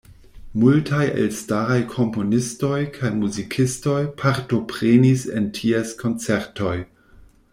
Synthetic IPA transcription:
multʰajḛlstaɾajkʰo̞mpo̞nisto̞jkʰajmuzikʰisto̞jpʰaɾto̞pɾenisḛntʰieskʰo̞nt͡seɾto̞j

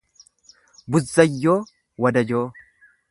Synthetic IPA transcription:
bʊzːɐjːoː | wɐd̪ɐd͡ʒoː

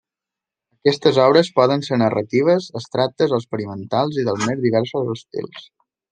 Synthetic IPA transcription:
əkɛst̪əzɔβɾəspɔðənseɾnərə̰t̪iβ̞əzəst̪ɾak̚t̪əzðəlˠspəɾimənt̪alˠziðəlˠzmezðiβ̞ɛɾsuzəst̪ḭlˠs

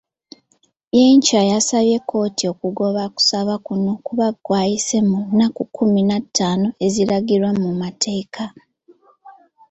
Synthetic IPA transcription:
jeɲcajasaβje̞kʰːo̞ːtʰio̞kuɡo̞βaku̥saβakuno̞kuβaɡwaːjisemunːakukʰuminatʰːaːno̞e̞ziɾaɡiɾwamumatʰe̞ːkʰa

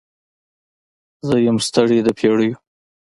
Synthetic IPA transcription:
zəjamst̪aɽid̪əpʰeɽəju

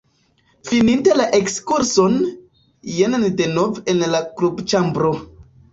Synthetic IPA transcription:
finintelaʔekskuɾso̞n | jenandenovenlaklubt͡ʃambɾo

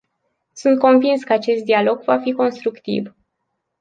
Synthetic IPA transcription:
sunt̪̚ko̞nvinskəat͡ʃe̞st̪̚d̪ialo̞ɡvafiko̞nst̪ɾukt̪ḭv

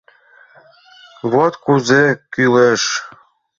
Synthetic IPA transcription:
βot̪kuzekyleʃ

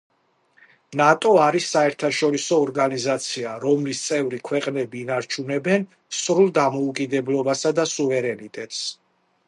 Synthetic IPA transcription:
nat̪ʼɔaɾisːaɛɾt̪ʰaʃɔɾisɔːɾɡanizat̪sʰiaɾɔmlist̪sʼɛvɾikʰwɛqʼnɛbiːnaɾt͡ʃʰunɛbɛn | sɾulˠd̪amɔukʼid̪ɛblˠɔbasad̪asuvɛɾɛnit̪ʼɛt̪ʼs

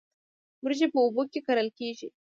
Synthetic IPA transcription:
mʊɾʒepəʊbukekaɾəlkeʒḭ

